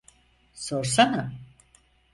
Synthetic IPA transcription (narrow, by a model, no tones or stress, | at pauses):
soɾsana